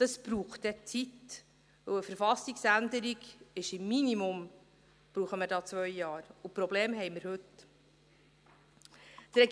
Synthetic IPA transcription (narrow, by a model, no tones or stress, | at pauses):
d̪̥ɑsb̥ɾuːχtɛt͡sit | ʋɵwəfəɾfɑsiksænd̪əɾiɡɪʃɪmːinimʊm | b̥ɾuːχəməɾdɑːt͡svœjjɑːɾʊpɾɔbleːmɦɛɪməɾhɵt | t̪ɾɛɡ